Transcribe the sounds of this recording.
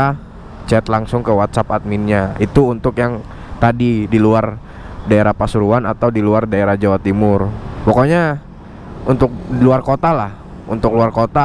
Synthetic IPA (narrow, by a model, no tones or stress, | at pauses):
a | t͡ʃɛt̪laŋsʊŋkəwat̪sapat̪̚minɲait̪uːnt̪ʊkjaŋ | t̪adidiluar | daeɾahpasuɾuanat̪awdiluardaeɾahd͡ʒawat̪imʊrpɔkoɲa | unt̪ʊk̚diluarkot̪alah | unt̪ʊkluarkot̪a